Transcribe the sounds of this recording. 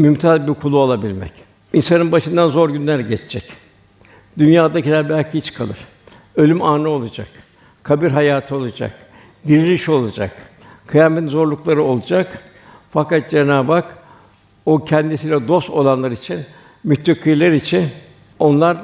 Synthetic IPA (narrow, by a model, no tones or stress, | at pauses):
mymt̪ʰazbiɾkʰulˠuolˠabilʲmɛ̰c | insanɯnbaʃɯnd̪anzoɾɟynlʲæɾɟɛt͡ʃʰd͡ʒɛc | d̪ynjaːd̪acilʲæɾbælʲcʰihit͡ʃkʰalˠɯ̰ɾ̥ | ø̞lʲymaːnɯo̞lˠad͡ʒa̰k | kʰabiɾɦajaːt̪ʰɯo̞lˠad͡ʒa̰k | d̪iɾilʲiʃo̞lˠad͡ʒa̰k | kʰɯjaːmeinzo̞ɾlˠuklˠaɾɯo̞lˠad͡ʒak | fakat̪̚d͡ʒenaːbak | ocʰɛnd̪isiːlʲɛd̪o̞st̪o̞lˠanlˠaɾit͡ʃʰin | myt̪ːikʰɯjlˠaɾit͡ʃʰin | o̞nlˠaɾ